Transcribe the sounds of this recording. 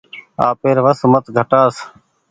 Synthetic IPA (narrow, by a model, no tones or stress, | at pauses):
a̰ːpeːɾʋəsmət̪ɡʱəʈaːs